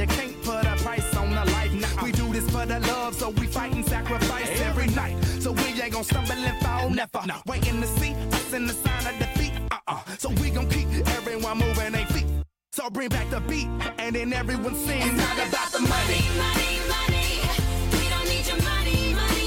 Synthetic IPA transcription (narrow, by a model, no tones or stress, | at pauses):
ɨkʰæ̃npʰʊɾəpʰɹ̥aɪsn̩əlaɪfnawidɨðɪsfəðəlʌv̥soʊwifaɪʔn̩sækɹɨfaɪsɛvɹinaɪt̚soʊwiɡɛ̃ɡõʊ̃sʌ̃mbɑɾilɪftanɛfəweɪɾɨ̃nðɨsit̚pɪtsɨ̃nðɨsãɪ̃nʌvðɨbit̚soʊwiɡõʊ̃nkʰipɛvɹiwʌ̃nmuvə˞ɨ̃nðeɪfi | soʊbɹɪ̃ŋbæk̚ðəbit̚ɨ̃nðɨ̃nɛvɹiwʌ̃nsɪ̃ŋaɡəbaəmʌniʌimʌniwiɾõʊ̃nːi | mʌni